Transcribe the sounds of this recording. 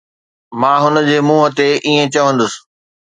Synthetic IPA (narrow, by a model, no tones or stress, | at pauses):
mãːɦʊnə̆d͡ʑeːmuːɦət̪eʔiːẽt͡ɕɐʋə̃nd̪ʊsɪ̥̆